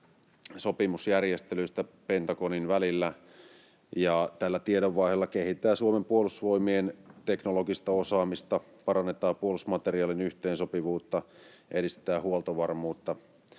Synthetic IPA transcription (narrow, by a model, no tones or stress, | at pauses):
so̞pimusjærjest̪elyist̪æpent̪ɑkoninʋælilːæ | jɑt̪ælːæt̪iedoʋːɑihelːɑkehit̪ːˑæːsuomempuolusʋo̞imient̪eknoloɡist̪ɑo̞sɑːmist̪ɑ | pɑrɑnːet̪ɑːpuolusmɑt̪eriɑːlinyht̪eːnsopiʋuːt̪ːɑ | ʔedist̪t̪æːhuolt̪oʋɑrmuːt̪ːɑ